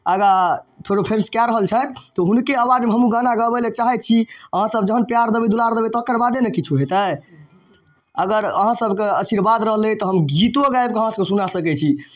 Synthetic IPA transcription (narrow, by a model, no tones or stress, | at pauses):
əɡapʰeɾopʰemskjaɾəɦəlt͡ʃʰət̪t̪ɔɦunkeawad͡ʒmeɦəmũɡanaɡəbɛlet͡ʃaɦɛt̪̚t͡ʃʰiəɦãsəbd͡ʒəɦənpjaɾd̪əbid̪ulaɾd̪əbit̪ɔkəɾbad̪enekit͡ʃʰuɦet̪ə | əɡəɾə̰ɦãsəbkeəsiɾbad̪ɾəɦlət̪ɔɦəmɡit̪oɡaeb̚keəɦãsəbkesunasəkɛt͡ʃʰi